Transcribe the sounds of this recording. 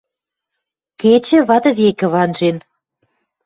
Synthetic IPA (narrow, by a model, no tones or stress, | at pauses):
ket͡ɕɘ̆βɑt̪ɤ̆βekɘ̆βɑnʒen